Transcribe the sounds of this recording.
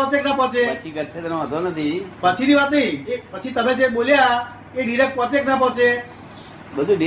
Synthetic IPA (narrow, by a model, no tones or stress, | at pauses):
ɔt̪eknapɔ̃t͡ʃet͡ʃʰikəɾset̪ɛnõɦət̪onət̪ʰipət͡ʃʰiniʋat̪nəɦĩepət͡ʃʰit̪əmẽd͡ʒeɓolja | eɖiɾek̚ʈ̚pɔt̪eknap̬ɔ̃ɦt͡ʃe | bəd̪ʱuɖi